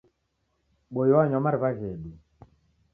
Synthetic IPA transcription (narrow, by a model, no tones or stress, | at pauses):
ɓojɔaɲɔmaɾβaɣɛɗu